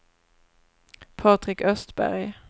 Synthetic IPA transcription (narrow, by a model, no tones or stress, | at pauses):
pʰɑt̪ʁɪkœst̪bæ̰ʁj